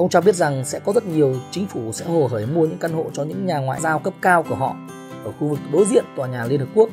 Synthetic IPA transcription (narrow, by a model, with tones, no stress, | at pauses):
ʔə˧wŋ͡mt͡ɕɔ˧ɓi˦˥ət̚za˨˩ŋsɛ̰˧˥kɔ˨˦zə˦˥t̚ɲi˨˩əwt͡ɕï˨˦ŋ̟fu˧˩sɛ̰˧˥ho˨˩təː˧˩jmu˧əɲɨ̰˧˥ŋka˧nho̰˧˨t͡ɕɔ˧ɲɨ̰˧˥ŋɲaː˨˩ŋwa̰ː˧˨jzaː˧wkə˦˥p̚kaː˧wku˧˩əɦɔ̰˧˨ | ʔəː˧˩xu˧vɨ˨˩k̚ɗo˨˦jzḭ˧˨ənt̪waː˨˩ɲaː˨˩li˧ənhp̚ku˦˥k̚